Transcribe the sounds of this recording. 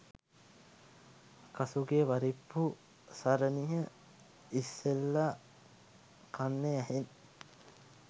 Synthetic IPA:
kasuɡeʋaɾipːu | saɾəniɦə | isːelːa | kʰanːeæɦen

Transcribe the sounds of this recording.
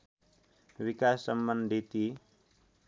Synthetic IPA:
wikasːʌmbʌnd̪ʱit̪i

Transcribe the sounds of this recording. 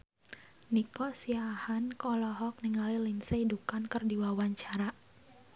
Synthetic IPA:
nikɔsiahankɔlɔɦɔk̚niŋalilinseidukankərdiwawaɲt͡ʃaɾa

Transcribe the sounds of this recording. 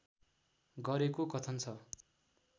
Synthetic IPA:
ɡʌɾekokʌt̪ʰʌnt͡sʰʌ

